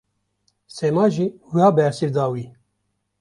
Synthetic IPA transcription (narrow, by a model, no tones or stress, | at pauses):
seːmɑːʒiːwiɑːbɛɾsiɾd̪ɑːwiː